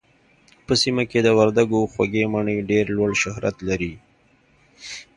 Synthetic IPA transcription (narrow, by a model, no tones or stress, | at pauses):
pəsimaked̪əwaɾd̪aɡoxwaɡemaɳeɖeɾlwəɽʃahɾa̰t̪laɾi